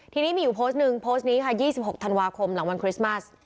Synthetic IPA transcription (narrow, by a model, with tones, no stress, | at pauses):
t̪ʰiː˧niː˦˥miː˧juː˨˩pʰoː˦˥st̪̚nɯ˨˩ŋpʰoː˦˥st̪̚niː˦˥kʰa˥˩jiː˥˩si˨˩p̚ho˨˩k̚t̪ʰa˧nwaː˧kʰo˧mla˩˦ŋwa˧nkʰɾi˦˥sma˥˩s